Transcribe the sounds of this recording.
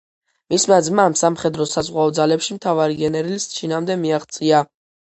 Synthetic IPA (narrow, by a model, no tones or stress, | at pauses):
mismad̪zmaːmsamχɛd̪ɾɔsazʁwaɔd̪zalɛpʃimt̪ʰavaɾiɡɛnɛɾilst̪t͡ʃʰinamd̪ɛmiaχt̪sʼia